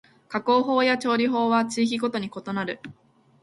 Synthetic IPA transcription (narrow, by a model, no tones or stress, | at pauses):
kako̞ːɦo̞ːjat͡ɕo̞ːɾʲiɦo̞ːβat͡ɕiːk̬ʲiɡo̞t̪o̞ɲ̟iko̞t̪o̞naɾɯ̟